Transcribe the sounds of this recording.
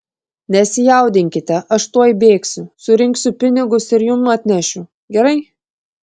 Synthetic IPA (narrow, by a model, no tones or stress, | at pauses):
nʲɛsʲɪjɛˑʊd̪ʲɪŋʲkʲɪt̪ʲɛʔɐʃt̪uɔjbʲeːksʲʊsʊɾʲɪŋʲksʲʊpʲɪnʲɪɡʊsɪɾjʊmɐt̪ʲnʲæʃʲʊ | ɡʲɛɾɐɪ